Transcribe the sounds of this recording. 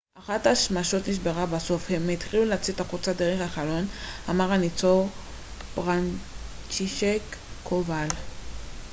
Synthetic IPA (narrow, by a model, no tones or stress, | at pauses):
ʔaχathaʃmaʃo̞tniʃ̬beʁabaso̞fhemit̪χiluleat͡sit̪aχut͡sadeʁeχhaχalo̞namaʁanit͡soʁ | bʁan | t͡ʃiʃekʰː | oval